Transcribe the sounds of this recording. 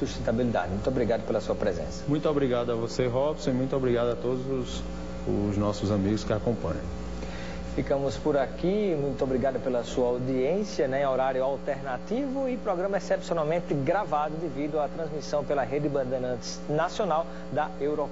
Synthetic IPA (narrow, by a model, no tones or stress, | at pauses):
suʃt̪ẽnt̪abilid̪a̰d̪ɪmũj̃t̪obɾiɡad̪ʊpelɐsuɐpɾezḛ̃sɐ̥mũj̃t̪obɾiɡad̪ʊɐvoseɦɔbsõimũj̃t̪ʊobɾiɡad̪ʊat̪od̪ʊzʊs | ʊznɔsʊzamiɡʊskɪakõpɐ̰̃ɲɐ̃w̃ | fikɐ̃mʊspʊɾakimũj̃t̪ʊobɾiɡad̪ʊpelɐsuɐawd̪iẽsiɐnɛ̃oɾaɾjʊawt̪eɾnat̪ivʊɪpɾɔɡɾɐ̃mɐɛsɛpsiõnawmẽnt̪ɪɡɾavad̪ʊd̪ɪvid̪ʊat̪ɾɐ̃zmisɐ̃w̃pelɐɦed̪ɪbɐ̃d̪enɐ̃nt̪ɪznasionaw | d̪ɐewɾo